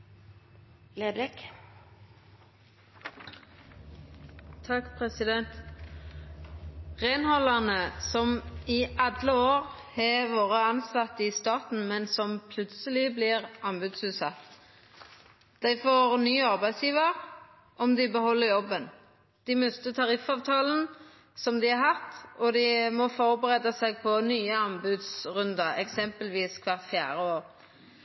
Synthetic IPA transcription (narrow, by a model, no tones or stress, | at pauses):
leːbɾɛk | t̪ʰɑkpʰʁɛsɪd̪ɛnt̪ | ʁenhɔlɑʁnəsɔmɪʔɑd̪ləoːʁ | hɑːʋoːʁəɑnsɑt̪ːɪst̪ɑːt̪n̩mɛnsɔmpʰlʉt̪səlɪblɪʁɑnbʉd̪sʉːt̪sɑt̪ː | d̪̥æɪfoːʁnyːɑʁbæɪsjiːʋəʁ | ʔɔmd̪ɪbəhɔlːəɾjɔbːən | d̪̥ɪmʉst̪ət̪ʰɑʁɪfɑːʋt̪ʰɑːln̩ | sɔmd̪ɪɑhɑt̪ːɔd̪ɪmɔfɔɾbəʁeːd̪əsɛɪɡpʰɔnyːəɑmbʉd̪sʁʉnd̪ɑɛksɛmpəlʋiːskʰʋɑʁfjæ̰ːɾəoːɾ